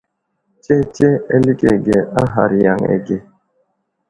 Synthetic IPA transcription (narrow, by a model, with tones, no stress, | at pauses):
t͡ʃɛ˦t͡ʃɛ˦ɛ˦li˦kɛ˨ɡe˨a˦ɦa˨ɾi˨ja˨ŋɛ̰˨ɡe˨